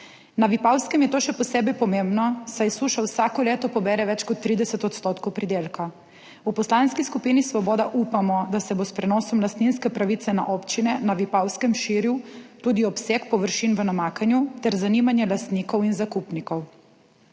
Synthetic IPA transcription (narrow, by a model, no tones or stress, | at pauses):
naʋipawskɛmjɛt̪oːʃɛpɔseːbɛjpɔmembnɔsajsuːʃawsaːkɔleːt̪ɔpɔbɛːɾɛʋɛt͡ʃkɔt̪ːɾiːd̪ɛsɛt̪ɔt̪st̪oːt̪kɔwpɾid̪eːlka | upɔslaːnskiskupiːnisʋɔbɔːd̪aʔupamɔd̪asɛbospɾɛnɔːsɔmlast̪ninskɛpɾaʋit̪sɛna̰ʔopt͡ʃinɛnaʋipawskɛmʃiːɾjut̪uːd̪iɔpsekpɔʋəɾʃinʋənamaːkanjut̪ɛɾzanimanjɛlast̪nikɔwinzakupnikɔw